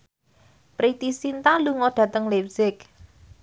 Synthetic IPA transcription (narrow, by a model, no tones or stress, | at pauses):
pɾit̪isint̪aluŋɔɖ̥ä̤t̪əŋlep̚sɪk